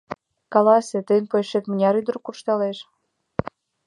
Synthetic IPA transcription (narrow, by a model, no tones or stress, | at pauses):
kɑlɑsʲĕt̪əjnpojʃekmə̆nʲɑɾyd̪ə̆rkurʃt̪ɑleʃ